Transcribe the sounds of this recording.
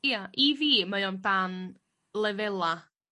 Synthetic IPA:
jaʔiviːmajɔndan | lˠɛvɛlˠa

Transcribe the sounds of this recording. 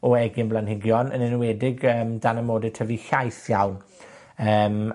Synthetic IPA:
ɔɛɡɪnblˠanhɪɡjɔnə̰nɪnwɛdɪɡəːmdanəmoːdɪ̥tʰəviɬajθjawn | əːm

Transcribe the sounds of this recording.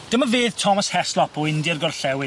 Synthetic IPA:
d̥əmaveːðtʰɔməshɛslˠɔpʰɔɪndɪrɡɔrɬɛwɪ

